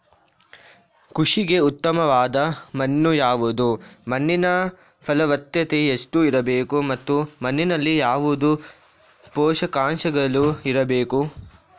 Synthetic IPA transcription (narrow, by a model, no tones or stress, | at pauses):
kuʂiɡe̞ut̪ːɐmɐʋaːd̪ɐmɐnːujaːʋud̪umɐnːinɐ | pʰɐlɐʋɐt̪jɐt̪e̞eʂʈuiɾɐbeːkumɐt̪ːumɐnːinɐlːijaːʋud̪u | pɔːʂɐkaːɳʃɐɡɐluiɾɐbeːku